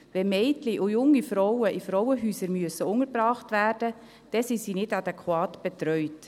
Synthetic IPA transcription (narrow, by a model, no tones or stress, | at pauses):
vɛmɛɪtliʔʊjʊŋːifɾɔwəʔifɾɔwəɦyːsəɾmyəsəʊŋəɾbɾɑːχtʋæːrd̥ə | d̥ɛsisinɪdɑdɛkʰwɑːtb̥ɛt̪ɾœʏt